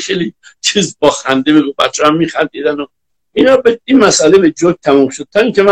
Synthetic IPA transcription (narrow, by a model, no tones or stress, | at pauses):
xejlit͡ʃʰiːzbɒːxænd̪ebeɡubæ̰t͡ʃʰːeæmːiːxænd̪id̪æno | inɒːbeinmæsʔælebed͡ʒoɡ̚t̪ʰæmumʃod̪̚t̪ʰɒːiŋkʲʰemæ